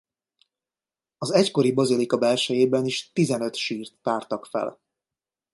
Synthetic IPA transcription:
ɒzɛcko̞ɾibɒzilikɒbɛlʃɛjeːbɛniʃt̪izɛnø̞t̪ʃiːrt̪paːrt̪ɒkfɛ̰l

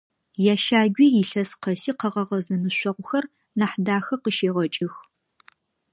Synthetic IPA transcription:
jaːʃaːɡʷiːjɪɬɐsqɐsiːqɐʁɐʁɐzɐnɨɕʷɐʁʷʊxɐr | naːħdaːxɐqəʃeːʁɐt͡ʃʼɪx

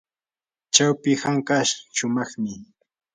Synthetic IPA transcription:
t͡ʃawpɪhaŋkaʃʃʊmɑχmɪ

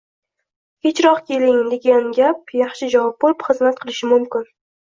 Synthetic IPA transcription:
he̞t͡ʃɾɒqkʲʰe̞lɪŋd̪e̞ɡʲanɡʲap̚jɑχʃɪd͡ʒavɒp̚bolɪpχɨzmat̪̚qʰɨlˠɪʃɪmʊmkʲɪn

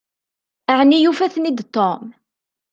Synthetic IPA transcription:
əʕnijufæθnid̪t̪ːɔm

